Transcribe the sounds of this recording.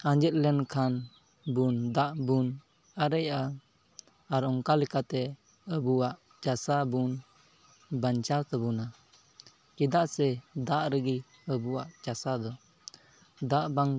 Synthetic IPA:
aɲd͡ʒɛt̪̚lɛnkʰan | bund̪aʔbun | aɾəjaː | ɾɔŋkalɛkat̪ɛ | əbuwaʔ | t͡ʃasabun | bant͡ʃaɾt̪əbuna | kid̪aʔsɛd̪aʔɾəɡi | əbuwaʔt͡ʃasad̪ɔ | d̪aʔbaŋ

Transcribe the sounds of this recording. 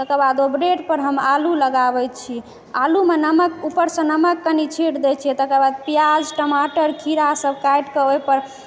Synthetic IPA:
t̪əkəbad̪obɾeɖpəɾɦəmaluləɡabɛt͡ʃʰi | alumenəməkupəɾsə̃nəməkːənit͡ʃʰiʈd̪ɛt͡ʃʰiɛt̪əkəbad̪̚pijad͡ʒʈəmaʈəɾkʰiɾasəbkajʈkəojpəɾ

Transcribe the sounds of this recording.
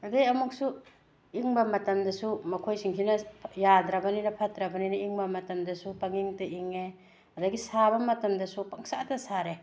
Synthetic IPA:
ɐdejɐmuk̚su | iŋbɐmɐtɐmdɐsumɐkʰojsiŋsʰinɐjad̪ɾabɐninɐpʰɐtɾabɐninɐiŋbɐmɐtɐmdɐsupaŋiŋtɐʔiŋe | ɐdɐɡisabɐmɐtɐmdɐsupaŋsatɐsaɾe

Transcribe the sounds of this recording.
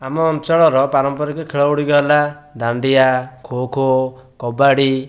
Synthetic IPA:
amɔːnt͡ʃɔɭɔɾɔpaɾɔmpɔɾakɔkʰeɭɔuɽiɡɔla | d̪aɳɖijakʰokʰo | kɔbaɽi

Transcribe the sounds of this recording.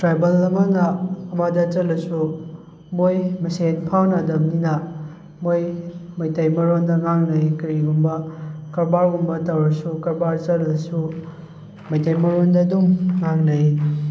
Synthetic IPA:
tɾajbɐlɐmɐnɐːmɐdɐt͡ʃɐlːɐsu | mojmɐsenpʰawnɐdɐmninɐ | mojmɐjtɐjmɐɾondɐŋaŋnɐjkɐɾiɡumbɐkɐɾbaɾɡumbɐtɐwɾɐsukɐɾbaɾt͡ʃɐllɐsu | mɐjtɐjmɐɾondɐduŋːaŋnɐj

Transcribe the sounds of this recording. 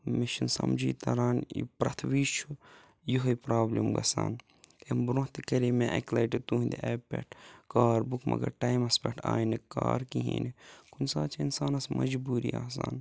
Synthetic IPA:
miʃinsɐmd͡ʒiːt̪ɐɾaːnipɾɐt̪ʰʋiːt͡ʃʰu | juɦɐjpɾaːblimɡɐsaːn | embɾõɦt̪ikɐɾimeʔɐklɐjʈit̪uɦind̪iʔɐpḛʈʰkaːɾbukʰmɐ̰ɡɐɾʈɐjmɐspɐʈʰaːjnikaːɾkiɦiːnikʰunsaːt͡ʃʰɐinsaːnɐsmɐd͡ʒbuːɾḭaːs̬aːn

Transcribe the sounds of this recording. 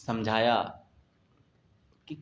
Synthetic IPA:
sɐmd͡ʒʱaːja | ki

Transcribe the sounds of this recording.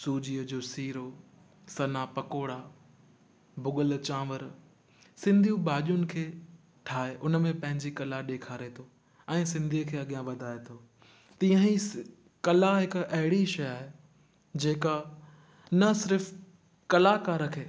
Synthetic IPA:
suːd͡ʑiːəd͡ʑoːsiːɾo | sɐnapɐkoːɽa | bʱʊɠəlt͡ɕãːʋəɾ | sɪ̃nd̪ʱijũbaːʄjʊnɪ̆kʰeː | ʈʰaːɦeʔʊnə̆mẽpɐ̃ɦɪ̃ɲd͡ʑikɐlaɗeːkʰaːɾet̪ʰo | ɛ̃ːsɪ̃nd̪ʱiːkʰeːɐɠijãʋɐd̪ʱaːet̪ʰoː | t̪ĩːə̃ɦi | kɐlaɦɪkɐɦɪɽiʃɐjaːɦe | d͡ʑeːka | nɐsɪɾf | kɐlakaːɾəkʰeː

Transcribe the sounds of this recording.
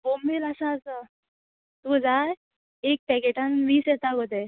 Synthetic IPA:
bombiləsaːsa | t̪ud͡za | ek̚pɛkeʈãnʋiːset̪aɡot̪e

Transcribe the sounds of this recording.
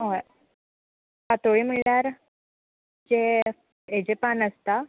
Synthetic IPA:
ɦo | kat̪oɭiːm̤iɭaɾ | d͡ʑe | ed͡ʑepanəst̪a

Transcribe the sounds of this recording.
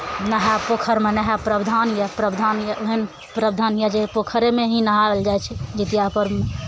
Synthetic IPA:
nəɦapokʰəɾmenəɦapɾəbd̪ʱanjapɾəbd̪ʱanjaʔoɦən | pɾəbd̪ʱanjad͡ʒeɦpokʰəɾemeɦinəɦabeld͡ʒajt͡ʃʰɛd͡ʒit̪ijapəɾme

